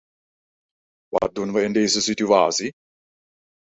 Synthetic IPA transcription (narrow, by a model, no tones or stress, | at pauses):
ʋɑ̰t̚dunʋəɪndejzəsitya̰ːsi